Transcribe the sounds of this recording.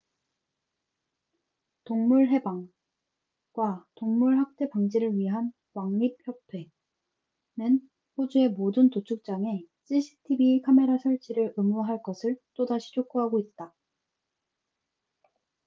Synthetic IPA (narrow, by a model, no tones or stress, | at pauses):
toŋmuɭɦe̞baŋ | ɡwatoŋmuɭɦak̚t͈e̞paŋd͡ʑiɾɯɭɥiɦan | waŋɲip̚çjʌtʰwe̞ | nɯn | ɸod͡ʑue̞modɯntot͡ɕʰuk̚t͡ɕ͈aŋe̞ɕ͈ʰiɕʰi̥tʰibikʰame̞ɾasʰʌɭt͡ɕʰiɾɯɾɯmuɦaɭk͈ʌsʰɯɭt͈odaɕʰi̥t͡ɕʰok͈uɦaɡoit̚t͈a